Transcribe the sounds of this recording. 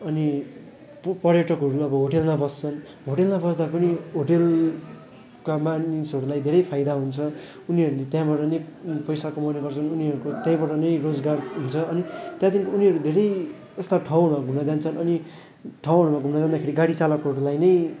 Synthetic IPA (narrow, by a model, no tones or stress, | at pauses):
ʌni | pʌɾjʌʈʌkɦʌɾuʌbʌɦoʈelmabʌst͡sʰʌn | ɦoʈelmabʌsd̪apʌniɦoʈel | kamanisʌɾulajd̪ʱeɾʌjpʰajd̪aɦunt͡sʰʌ | uniɦʌɾulet̪jãbaʈʌnʌjpʌjsakomʌneɡʌrt͡sʰʌnuniɦʌɾukot̪jãbʌʈʌnʌjrod͡zɡarɦunt͡sʰʌʌnit̪jãt̪inkiuniɦʌɾud̪ʱeɾʌj | est̪aʈʰaw̃maɡʱumnʌd͡zant͡sʰʌnʌni | ʈʰaw̃ɦʌɽumaɡʱumnʌd͡zãnd̪akʰeɽiɡaɽit͡salʌkɦʌɾulajnʌj